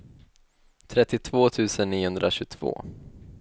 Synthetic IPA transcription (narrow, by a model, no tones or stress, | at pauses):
t̪ʰɾɛt̪ːɪt̪ʰvoːt̪ʰʉ̟ːsənːiːhɵnd̪ɾaɕɵt̪ʰv̥o̰ː